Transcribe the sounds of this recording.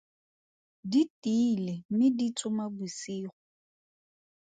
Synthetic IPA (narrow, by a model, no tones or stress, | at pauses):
ditʼilemɪdit͡sʰʼʊmabusiːχʊ